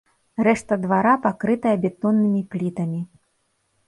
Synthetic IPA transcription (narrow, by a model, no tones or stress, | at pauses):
rɛʂt̪ɐd̪vaɾapakɾɨt̪ɐjɐbʲɛt̪ɔnːɨmʲiplʲit̪ɐmʲi